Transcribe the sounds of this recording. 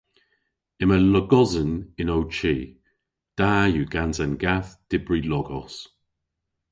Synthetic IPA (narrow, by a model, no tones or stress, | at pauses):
ɪmələɡɔzənɪnowt͡ʃiː | d̥aːjuɡanzanɡaθd̥ɪbɹilɔɡɔs